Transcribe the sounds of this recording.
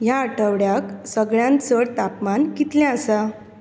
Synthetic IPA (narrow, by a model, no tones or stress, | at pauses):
jaəʈʰəʋɽjaksəɡɭjãnt͡səɽt̪apmankit̪ljɛ̃əsa